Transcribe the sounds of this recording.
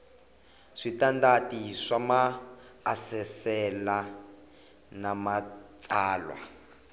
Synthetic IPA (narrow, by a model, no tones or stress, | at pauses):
ʂitandatisamaː | sɛsɛla | namat͡saːlwa̰